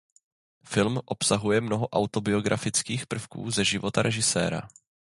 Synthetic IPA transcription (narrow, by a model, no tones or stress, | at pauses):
fɪlmʔo̞psaɦujɛmno̞ɦo̞ʔawt̪o̞bɪo̞ɡɾʔafɪt͡skiːxpr̩fkṵːzɛʒɪvo̞t̪aɾʔɛʒɪsɛ̰ːɾa̰